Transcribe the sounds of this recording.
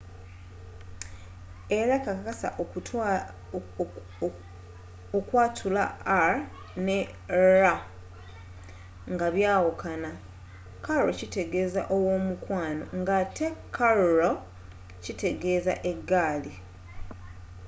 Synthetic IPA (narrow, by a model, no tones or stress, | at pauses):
e̞ɾakakakasa̰ʔ | okwaːtʰulaa | ne | ɾa | ŋɡaβjaːwokʰana | kaɾɾocite̞ɡe̞ːza̰ʔo̞wo̞ːmukwaːno̞̰ŋɡatʰe̞kʰaɾɾo | cite̞ɡe̞ːza̰ʔe̞ɡːaːli